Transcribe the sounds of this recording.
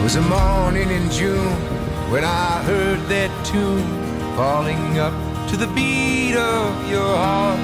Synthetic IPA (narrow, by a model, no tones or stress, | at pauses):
wʌzɨmɔɹnɪ̃ŋɨ̃nd͡ʒũn | wɨ̃ñaɪɦɜ˞d̪̚ðɨtʰũn | fɔlˠɪ̃ŋʌp̚ | tʰɨðɨbiɾʌvjə˞hɑɹt̚